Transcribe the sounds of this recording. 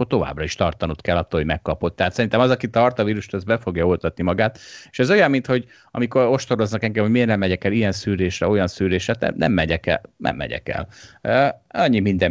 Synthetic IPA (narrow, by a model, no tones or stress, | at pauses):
ort̪o̞va̰ːbrɒiʃt̪ɒrt̪ɒnut̪kɛlːɒt̪ːoːlɦoɟmɛkːɒpo̞t̪ːɛɦːt̪sɛɾint̪ɛmɒzɒkit̪ɒrt̪ɒviːɾuʃt̪ɛzbɛfo̞ɡjɒo̞lt̪ɒt̪nimɒɡaːt̪e̥ʃɛzo̞jɒmːint̪hoɟ | ɒ̰miko̞ɾo̞ʃt̪o̞ɾo̞znɒkɛŋɡɛmhomeːrnɛmːɛɟɛkɛlijɛnsyːɾeːʃrɛo̞jɒnsyːɾeːʃrɛt̪ɛ̰nɛ̰mːɛɟɛkɛ̰nɛ̰mːɛ̰ɟɛ̰kɛ̰l | ɒɲːimind̪ɛ